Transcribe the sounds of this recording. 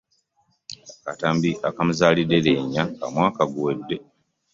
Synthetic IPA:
akataːmbiakamuzaːlidːele̞ɲːaka̰mwaːkaɡuwedːe̞

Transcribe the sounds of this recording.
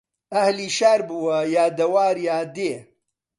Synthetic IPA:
ɐhliːʃaːɾbuwɐjaːd̪ɐwaːɾjaːd̪eː

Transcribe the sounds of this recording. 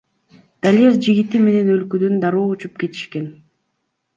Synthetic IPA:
d̪̥alʲezd͡ʒiɡit̪ime̞ne̞nø̞lkød̪ynd̪aɾuːut͡ʃup̚ke̞t̪i̥ʃke̞n

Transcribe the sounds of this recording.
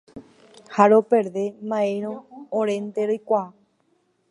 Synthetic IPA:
haɾopeɾðe̞mãẽɾ̃õːɾent̪eɾojkʷaa

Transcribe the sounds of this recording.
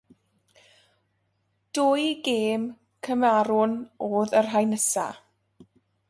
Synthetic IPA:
d̥ʊːjɡeːm | kʰəmaɾʊnoːðərɦajnəsa̰

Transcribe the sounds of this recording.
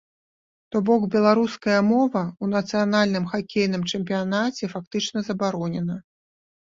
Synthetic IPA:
t̪ɔbɔkbʲɛlˠaɾuskɐjɐmɔvɐunɐt̪sɨjanalʲnɨmxakʲejnɨmt͡ʂɨmp̬ʲijanat͡sʲɛfak̚t̪ɨt͡ʂnɐzɐbaɾɔnʲɛnɐ

